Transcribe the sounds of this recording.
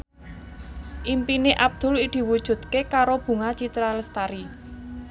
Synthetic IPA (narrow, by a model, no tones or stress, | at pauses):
ʔimpineʔab̚d̪̥ʊ̤lid̪̥i̤wud̥ʒ̥ṳd̪̥̚kekaɾob̥ṳŋat͡ʃit̪ɾaləst̪aɾi